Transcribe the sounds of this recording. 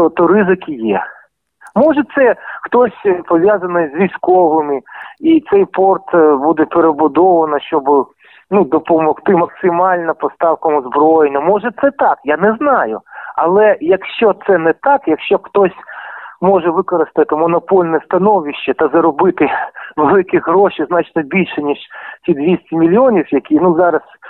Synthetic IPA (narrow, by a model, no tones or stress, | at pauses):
t̪ɔt̪ɔɾɪzɪkʲijɛ | mɔʒɛt̪sɛxt̪ɔsʲpɔʋʲjazɐnɔjzʲʋʲijsʲkɔʋɪmɪit̪sɛjpɔrt̪bud̪ɛpeɾebʊd̪ɔʋɐnɐʃt͡ʃɔb | nud̪ɔpɔmɔxt̪ɪmɐksɪmɑlʲnɐpɔst̪ɑwkɐmʊzbɾɔjenʲːɐmɔʒɛt̪sɛt̪ɑkjanɛznɑjʊ̰ɐlˠɛjɐkʃt͡ʃɔt̪sɛnɛt̪ɑkjɐkʃt͡ʃɔxt̪ɔsʲmɔʒɛʋɪkɔɾɪst̪ɐt̪ɪmɔnɔpɔlʲnɛst̪ɐnɔʋʲiʃt͡ʃːɐt̪ɐzɐɾɔbɪt̪ɪʋelˠɪkɪɦɾɔʃiznɑt͡ʃnɔbʲilʲʃɛnʲiʃtʲid̪ʋʲisʲtʲimʲilʲɔnʲiwjɐkʲinuzɑɾɐs